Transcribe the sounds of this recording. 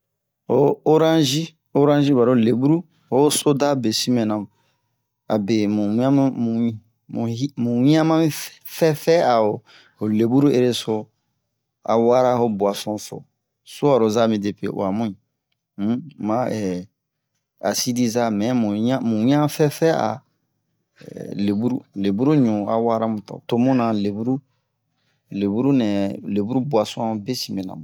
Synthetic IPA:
o˦o˦ɾã˦ʒi˦ | o˦ɾã˦ʒi˦ba˨ɾo˦˨le˨bu˦ɾu˦ | ho˦so˦da˦˨be˨si˦mɛ̃˨nã˨m | a̰˨be˨mũ˨˦ã˦mũ˨˦ | m̰˨i˦mũ˨wĩ˦ã˦mã˦fɛ˦fɛ˦a˨o˨ | ho˨le˨bu˦ɾu˦e˦ɾe˦so˦ | a̰˨wa˦ɾa˦ho˦bu˨a˨sɔ̃˦so̰˨ | so˦a˨ɾo˨za˦mĩ˨de˨pḛ˨ʔo̰˨a˨mũ˦ĩ˨˦ | mã˦ɛ˨ | a˨si˦di˦za˦mɛ̃˨˦mũ˨˦ã˦mũ˨˦ã˦fɛ˦fɛ˦a̰˨ | le˨bu˦ɾṵ˦le˨bu˦ɾu˦ɲũ˨a˨wa˦ɾa˦mũ˨tɔ̰˨to˦mũ˦nã˨le˨bu˦ɾu˦ | le˨bu˦ɾu˦nɛ˨le˨bu˦ɾu˦bu˨a˨sɔ̃˦be˦si˨me˨nã̰˨

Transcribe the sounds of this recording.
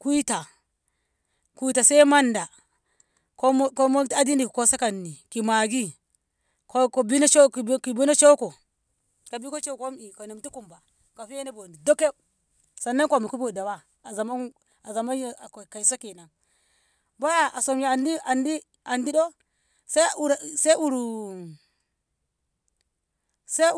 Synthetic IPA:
kʷu˦i˦ta˨ | ku˦ta˨se˦ma˦nda˨ | ko˦ko˦mo˦ta˦di˦ndi˨kko˦sa˦ka˨nːi˨ki˨ma˨ɡi˦ | ko˦ko˨bi˦n˦t͡ʃo˦˨˦ki˨bi˦no˦t͡ʃo˦ko˨ | ka˨bi˦ko˦t͡ʃo˦ko˦mi˨ko˨ni˨mti˦ku˨mba˨ | ka˨fi˦je˦ne˦bo˨ndi˨do˦ke˦ | sa˨nːa˦ko˨mi˨ku˦bo˨da˨wa˦ | a˨za˨ma˦ | a˨za˨ma˦jka˨i˨sa˦ki˨na˨ŋ | ba˦ja˦a˨so˨mji˨a˨ndi˦ʔa˨ndi˦ | a˨ndi˦do˦ | sa˦u˨ɾse˦u˨ɾu˨ | sa˦

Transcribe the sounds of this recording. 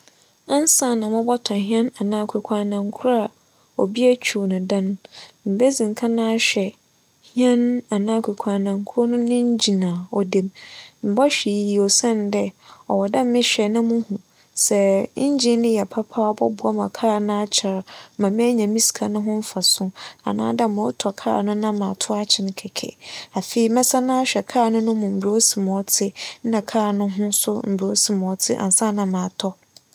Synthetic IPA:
ã˦n˦sã˦˨nã˨mʊ̃˦bɔ˦tʰã˨ɦĩ˦ɛ̃˦na˨nãː˦kʰu˨kʰʷa˨nã˨ŋ˦kʰʊ˦ɾa˦˨ | o˨bi˦æ˦t͡ɕᶣʰu˨nʊ̃˨dã˦nm̩˨be˦zĩ˨ŋ˨kʰa˦nã˦ɕᶣɛ˨ | hĩ˦ɛ̃˦na˨nãː˦kʰu˨kʷʰã˨nã˨ŋ˦kʰʊ˦ɾɔ˦nʊ̃˦nɪ̃˦ɲ˦d͡ʑi˨nãː˨ɔ˨de˨mm̩˨bɔ˦ɕᶣi˨ji˨ɔ˨sɛ̃˦n˨dɛ˦ɔ˨wɔ˨dã˦m˦mɪ̃˦ɕᶣɛ˨nʊ̃˦mʊ̃˦hũ˨ | sɛ˨˦ɲ˦d͡ʑĩ˦nɪ̃˦jɛ˨pʰa˦pʰa˦ɔ˦bɔ˦bʊ˨a˦mã˨kʰaː˦˨nʊ̃˦a˦t͡ɕʰa˨ɾmã˨mɪ̃˦ɲã˨mĩ˦skʰa˨nʊ̃˦ɦʊ̃˦m̩˦fa˨sʊ̃˦a̰˨nã̰ː˦da˦˨mʊ̃˨ɔ˦tʰɔ˨kʰa̰ː˦˨nʊ̃˦nã˦mã˨tʰʊ˦a˦t͡ɕʰɪ˨n˨kʰɛ˨kʰɛ̰˨a˨fe˨i˨mɛ̃˦sã˦nã˦a˦ɕᶣɛ˨kʰaː˦˨nʊ̃˦nʊ̃˦mʊ̃˨m̩˨bɾo˦si˨m˨ɔ˦tʰɪ˦nã˨kʰaː˦˨nʊ̃˦ɦʊ̃˦sʊ˦m̩˨bo˦sĩ˨m˨ɔ˨tʰɪ˦ʔã̰˨n̩˨sã˦nã˨mã˨tʰɔ˦

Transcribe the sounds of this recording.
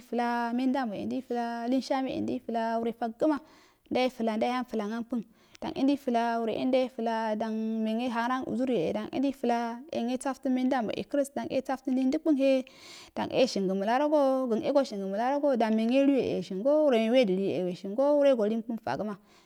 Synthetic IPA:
fu˨la˦me˦nda˦mbo˨ḭ˨ndi˦fə˨la˦li˦nʃa˦me˦ḭ˨ndi˦fə˨la˦wu˦ɾe˨fa˦ɡə˦ma˦ | nda˦ji˦fə˨la˨n˦da˦ja˦nfə˨la˨ŋa˦npɨ˦n | d̥a̰˨ŋʔḭ˦ndi˦fu˨la˦wu˨ɾḛ˨ʔḭ˦nda˦ji˦fə˨la˦da˨ŋme˨ŋe˦ɦa˨ŋ˦ɾa˦nṵ˨zu˦ɾje˨ḛ˨da˨ŋʔḭ˦n˦i˦fu˨la˦ḛ˨ŋe˦t͡sa˦fti˦me˦n˦da˦mbo̰˨ʔḭ˨kɾi˦sda˨ŋḛ˦t͡sa˦fti˦ni˦ndi˦k͡pu˦ŋɦe˦ | d̥a̰˨ŋʔḛ˦˨ʃi˨ŋɡə˨mə˨la˦ɾo˦ɡo˦ɡə˨nḛ˦ɡo˦ʃi˨ŋɡə˨mə˨la˦ɾo˦ɡo˦da˨nme˨ŋe˦ɾu˦je˨ʔḛ˨ʃi˨ŋɡo˦wu˦ɾe˨we˦˨di˨li˦jḛ˨ḛ˨we˨ʃi˨ŋɡo˦wu˦ɾe˦ɡo˨li˦nk͡pu˦nfa̰˨ɡə˦ma˨

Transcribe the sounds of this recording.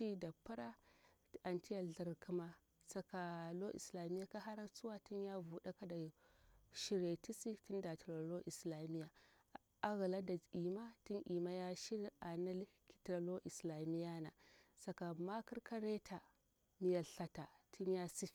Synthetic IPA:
i˦da˨pːa˦ɾa˦ | a˨nti˦ja˨ɮi˨ɾkʰi˦ma˦ | sa˦ka˨lo˦ʔḭ˨sla˨mi˦ja˦ka˦ɦa˦ɾa˦t͡su˦wa˦ti˦nja˦vu˨ɗa˦ka˦da˨ʃi˦ɾe˨ti˦si˦ti˦nda˨ti˨lo˨lo˦ʔi˨sla˨mi˦ja˨ | a˦ɣi˨la˦da˨i˨ma˦ti˦nʔi˨ma˦ja˦ʃi˦ɾa˨na˦lki̥˦tɾa˨lo˦ʔi˨sla˨mi˦ja˦na̰˨sa˨ka˨ma˦ki˦ɾkʰa˦ɾe˦tʰa˨ | mi˨ja˨ɬa˨ta˨tʰi˦nja˦si˦˨

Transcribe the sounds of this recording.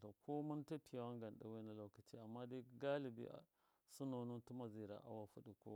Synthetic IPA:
to˨kʰo˦mu˦nta˦pi˨ja˨wa˦ŋɡa˨n˨ɗa̰˨we˦na˨lo˨˦ka˨ti˦a˨mːa˦di˦ɡa˦li˨bḭ˦a̰˨ | su˦no˨nu˦ntu˦ma˨zi˨ɾa̰˨ʔa̰˦wa˦fu˦ɗi˨ko̰˦

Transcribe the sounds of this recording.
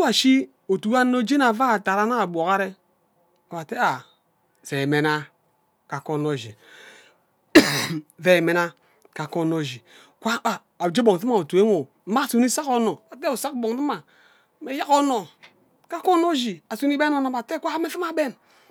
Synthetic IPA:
a˨ʃi˦ | o˨tu˨˦a˦no˦d͡ʒe˦na˨va˦a˨ta˨ɾa˦na˦a˨bʷo˨ka˦ɾe˦ | a˨ba˨te˦a˨ | se˨me˨na˦ | ka˨ko˦no˦˨d͡ʒi˨ | ve˨me˨na˦ | ka˨ko˦˨no˦˨d͡ʒi˨ | kʷa˦a˨ | d͡ʒe˦bo˨ŋ˨ti˦ma˨o˨tu˨e˦ŋo˨˦ | ma˦˨su˨ni˦sa˦ko˦no˨a˨te˦u˨sa˦kbo˨ŋ˨tma˨ | me˨˦ja˦ko˦no˨ | ka˦ko˦no˦d͡ʒi˨a˨su˨˦ni˦be˦no˦no˦˨ba˨te˦kʷa˦me˦fi˦ma˨be˦n

